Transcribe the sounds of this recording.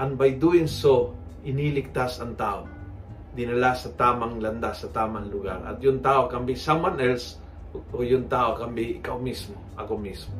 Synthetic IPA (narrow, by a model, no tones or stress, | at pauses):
ʔɐnbɐjd̪uɪnsoɪnilɪk̚t̪asɐŋt̪aːʔo | d̪ɪnɐlasɐt̪aːmaŋlɐnd̪asɐt̪aːmaŋlʊɡaɾɐ̰t̪̚jʊŋt̪aːʔokɐmbisamanɛls | ojʊŋt̪aːʔokambiɪka̰wmismoʔɐkomismo